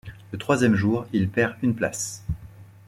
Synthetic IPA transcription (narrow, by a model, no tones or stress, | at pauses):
lət̪χwazjɛmʒuːʁilpɛʁynpla̰s